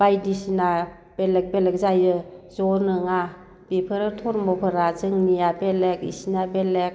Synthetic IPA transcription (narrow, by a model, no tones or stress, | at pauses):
b̥ajdisina | b̥elek̚belek̚zajɯzɔnɯŋa | b̥ipʰɯɾɯtʰɔɾmɔpʰɯɾazɯŋnijabelekḭsinabelek̚